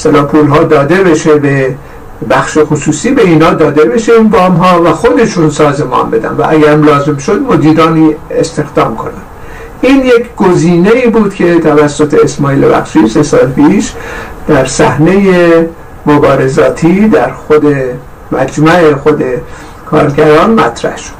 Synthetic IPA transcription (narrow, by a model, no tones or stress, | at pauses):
est̪elɒːpʰuːlɦɒːd̪ɒːd̪e̞be̞ʃebe | bæxʃexosuːsiːbe̞iːnɒːd̪ɒːd̪e̞be̞ʃeinbɒːmɦɒːvæxo̞d̪e̞ʃunsɒːze̞mɒ̰ːnbe̞d̪æ̰nvæ̰ʔæɡæɾmlɒːze̞mʃo̞d̪mo̞d̪iːɾɒːniːest̪e̞xd̪ɒːmkʰo̞næm | ʔiːnjecʰɡ̥oziːne̞iːbuːd̪̥cʰe̞t̪ʰævæsːo̞t̪ʰeesmɒːiːlḛbæ̰xʃiːse̞sɒːlpʰiːʃd̪̥æɾsæhne̞je | mobɒːɾe̞zɒːt̪ʰiːd̪æɾxod̪e̞ | mæ̰d͡ʒmæʔexo̞d̪e̞ | kʰɒ̰ːɾɟæɾɒːnmæt̪ʰɾæ̰hʃo̥d̪̥